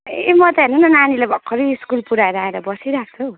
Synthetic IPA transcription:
eemʌt̪ʌɦenunʌnanilajbʱʌkʰːʌɾiiskulpuɾaeɾʌaeɾʌbʌsiɾak̚ʰt͡sʰo

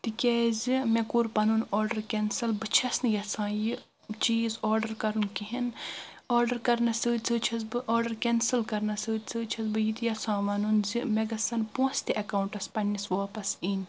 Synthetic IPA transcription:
t̪ikʲɛzʲimekuːɾpɐnunoːɾɖɐɾkɛnsɐlbɨt͡ʃʰɐsnɨjɐsãːji | t͡ʃiːzoːɾɖɐɾkɐɾunkiɦin | oːɾɖɐɾkɐɾnɐsɨːt͡sʰɨːt͡ʃʰɐzbɨʔoːɖɐɾkɛnsɐlkɐɾnɐsɨːt͡sɨːt͡ʃʰɐsbɨjit̪jɐsãːʋɐnunzimeɡɐsɐnpõːst̪ʲiʔɐkawɳʈɐspɐnːisʋaːpɐsiːnʲ

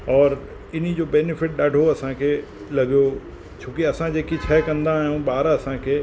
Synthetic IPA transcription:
ɔːɾ | ɪn̤id͡ʑobeːnɪfɪʈ̚ɗaːɖʱoɐsãkʰeː | lɐɡijo | t͡ɕʰõːkiɐsãd͡ʑeːkit͡ɕʰɛkɐ̃nd̪ajũɓaːɾaɐsãkʰeː

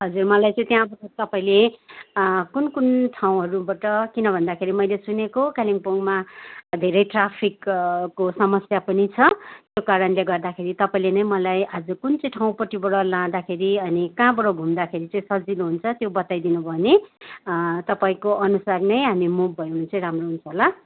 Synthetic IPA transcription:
ɦʌd͡zurmʌlajt͡sʌ̃ĩt̪jãbʌt̪ʌpaĩle | kunkunʈʰaw̃ɦʌɾubaʈʌkinʌbʱʌnd̪akʰeɾimʌjlesunekokaliŋpoŋmad̪ʱeɾʌjʈrapʰikkosʌmʌsjapʌnit͡sʰʌt̪jokaɾʌnleɡʌrd̪akʰeɾit̪ʌpaĩlenʌjmʌlajad͡zʌkunt͡sʌ̃j̃ʈʰaw̃pʌʈibʌɽʌlãd̪akʰeɾiʌnikãbʌɽoɡʱumd̪akʰeɾit͡sʌ̃ĩsʌd͡zinoɦunt͡sʰʌt̪jobʌt̪ajd̪inubʱʌne | t̪ʌpaĩkoʔʌnusarnʌjɦamimub̚bʱʌjeununt͡sʌĩɾamroɦunt͡sʰʌɦola

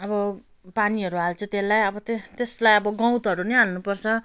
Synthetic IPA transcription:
ʌbʌ | paniɦʌɾuɦalt͡sʰʌt̪elːajʌbʌt̪et̪eslajʌbʌɡʌ̃w̃t̪ɦʌɾunʌjɦalnupʌrt͡sʰʌ

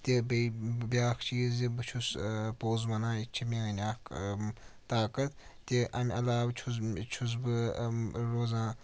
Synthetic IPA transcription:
t̪ʲebɐjbʲaːkʰt͡ʃʰiːzibɨt͡ʃʰuspoːzmɐnaːit͡ʃʰimeɣɐnʲaːk | t̪aːkɐt̪ | t̪ʲeʔɐmʲiɐlaːbt͡ʃʰust͡ʃʰus̬bɨ | ɾoːzãː

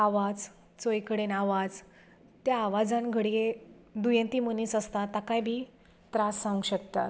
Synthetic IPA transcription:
aʋad͡z | t͡sojkəɽenaʋad͡z | t̪jaːʋad͡zãnɡʱəɽije | d̪ujẽnt̪iːməniːsəst̪at̪akajbʱiː | t̪ɾasːãŋɡɕəkt̪a̰t̪

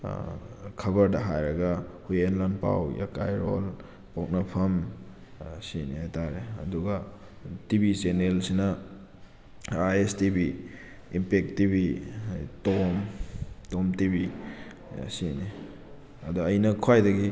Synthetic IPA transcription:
kʰɐβɐɾdɐɦajɾɐɡɐhujenlanpa̰wja̰ka̰jɾo̰l | pok̚nɐpʰɐm | sinihajtaɾeɐduɡɐ | tibisenelsinɐ | aestibi | impek̚tiβi | tomtomtibi | sini | ɐduɐjnɐkʰuwajdɐɡi

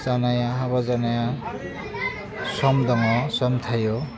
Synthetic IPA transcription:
d͡zanajãɦabʌzanajã | sɔmd̪ʌŋɔsʌmt̪ʰajo

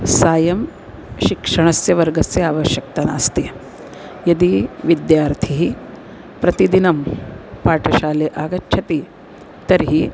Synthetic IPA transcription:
saːjɐm | ʃikʂɐɳɐsjɐʋɐɾɡɐsjɐaːʋɐʃjɐk̚t̪ɐnaːst̪i | jɐd̪iʋid̪jaːɾt̪ʰiɦi | pɾɐt̪id̪inɐmpaːʈʰɐʃaːleʔaːɡɐtːʃʰɐt̪i | t̪ɐɾɦi

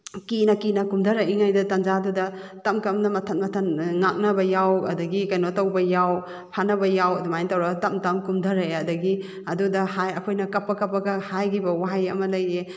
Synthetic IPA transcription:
kinɐkinɐkumdʱɐɾɐiŋajdɐtɐnd͡ʒadudɐ | tɐmkɐmnɐmɐtʰɐtmɐtʰɐnŋak̚nɐbɐjawɐ̰dɐɡikɐjnotɐwbɐjaw | pʰanɐbɐjawɐdumajntɐwɾɐɡɐtɐmtɐmkumdʱɐɾejɐdɐɡi | ɐdudɐhajɐkʰojnɐkɐpːɐkɐpːɐɡɐhajɡibɐwaɦjɐ̰mɐlɐje

